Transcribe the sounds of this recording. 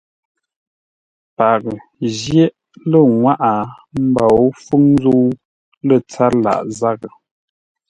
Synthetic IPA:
pa˨k̚zjɛ˦ʔ | lə˨ŋwa˦ʔa˨m̩˦ba˨o˦fu˦ŋnzo˦ | lə˦˨t͡sa˦la̰˨ʔza˦ɣə˨

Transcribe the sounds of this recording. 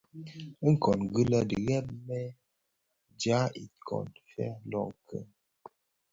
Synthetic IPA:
ə˦ŋ̩˨kɔ˨nɡɨ˦lə˦də˨ɣɛ˦p̚mɛ˦ | d͡ʒa˨˦i˨kʰɔ̰˨nfɛ̰˦lɔ˦˨ŋkʰə˦ŋ

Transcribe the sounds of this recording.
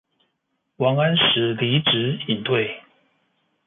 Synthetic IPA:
wɑ˧˥ŋa˥nʂɻ̩˧˥li˧˥ʈ͡ʂɻ̩˧˥i˨˩nt̪we˥˩ɪ

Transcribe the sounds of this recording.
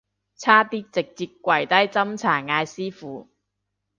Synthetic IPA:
t͡sʰaː˥t̪iː˥k̚t͡sɪ˨k̚t͡siː˧t̚kʷːɐ˨˩jt̪ɐ˥jt͡sɐ˥mt͡sʰaː˨˩ŋaː˧jsiː˥fuː˨˦

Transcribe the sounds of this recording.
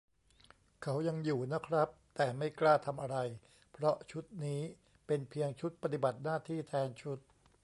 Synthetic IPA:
kʰa˦˥wja˧ŋjuː˨˩na˦˥kʰɾa˦˥p̚t̪ɛː˨˩ma˥˩jklaː˥˩t̪ʰa˧mʔa˧ɾa˧j | pʰɾɔ˦˥t͡ɕʰu˦˥t̪̚niː˦˥ | pe˧npʰi˧əŋt͡ɕʰu˦˥t̪̚pa˧t̪i˨˩ba˨˩t̪̚naː˥˩t̪ʰiː˥˩t̪ʰɛː˧nt͡ɕʰu˦˥t̪̚

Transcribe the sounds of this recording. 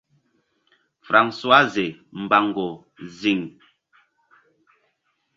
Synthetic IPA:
fɾa˨ŋswa˦ze˨m̩˨ba˨ŋ˨ɡo˨ | zi˨ŋ

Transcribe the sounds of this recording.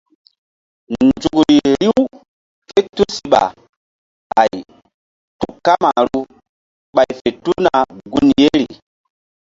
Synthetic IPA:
nnd͡ʒu˨kɾi˨ɾi˦w | fe˦tu˦si˨ɓa̰˨ | ha˨j | tu˨ka˦ma˨ɾu˦ | ɓa˨jfe˨tu˦na˨ɡu˦nje˦ɾi˨

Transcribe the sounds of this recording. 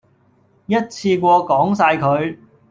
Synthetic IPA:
jɐ˥t̚t͡sʰiː˧kʷɔː˧kɔː˨˥ŋsaː˧jkʰɵ˨˧ɥ

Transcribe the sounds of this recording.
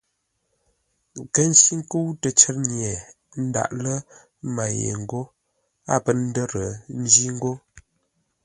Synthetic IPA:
kə˦n̩˦si˦ŋ˦kə˦wtə˨t͡ʃə˦ɾɲjɛ˨ | n̩˦da̰˨ʔlə˦ | ma˨jḛ˨ŋ̩˨ɡo˦ | a˦˨pə˦n̩˦də˦ɾə˨m̩˦zi˦ŋ̩˦ɡo˦

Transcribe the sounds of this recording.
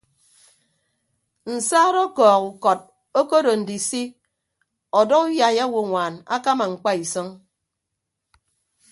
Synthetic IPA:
n̩˨saː˦ɾɔ˦kɔː˨ku˨kɔ˨t̚ | o˦ko˦ɾo˨n̩˨di˨si˦ | ɔ˨dɔ˦ku˦ja˨ja˦wo˦˨ŋʷaː˨na̰˦ka˦ma˨ŋ͡m̩˨k͡pa˦i˨sɔ˦ŋ

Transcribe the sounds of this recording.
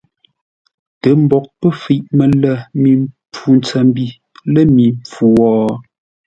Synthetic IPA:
tə˨˦m̩˦bɔ˨k̚pə˦˨fi˦˨ʔmə˨lə˦˨mi˨mp͡fu˨n˦t͡sə˨m˦bi˦˨ | lə˦mi˨mp͡fu˨wɔː˨

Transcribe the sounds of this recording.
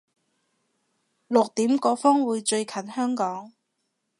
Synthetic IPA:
lʊ˨k̚t̪iː˨˥mkɔː˧fɔː˥ŋwuː˨˧jt͡ʃɵ˧ɥkʰɐ˨˥nhœː˥ŋkɔː˨˥ŋ

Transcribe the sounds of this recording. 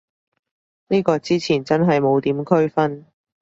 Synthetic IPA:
niː˥kɔː˧t͡siː˥t͡sʰiː˨˩nt͡sɐ˥nɦɐ˨jmo˨˧wt̪iː˨˥mkʰɵ˥ɥfɐ˥n

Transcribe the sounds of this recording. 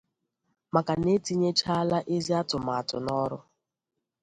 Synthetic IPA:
ma˨ka˨ne˦ti˦ɲe˦t͡ʃa˦la˦ʔe˦zi˦a˦tʊ˨ma˨a˨tʊ˨nɔ˦ɾʊ˦

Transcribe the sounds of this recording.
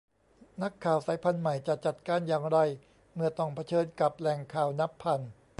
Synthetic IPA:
na˦˥kʰːaː˨˩wsaː˨˦jpʰa˧nma˨˩jt͡ɕa˨˩t͡ɕa˨˩t̪̚kaː˧˩njaː˨ŋɾa˧j | mɯ˥˩ɐt̪ɔ˥˩ŋpʰa˧t͡ɕʰɤː˧nka˨˩p̚lɛ˨˩ŋkʰaː˨˩wna˦˥pʰːa˧˩n

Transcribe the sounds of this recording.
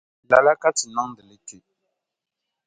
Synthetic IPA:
la˨la˦ka˦ti˨nɔ˦ŋdə˨le˦ke˨

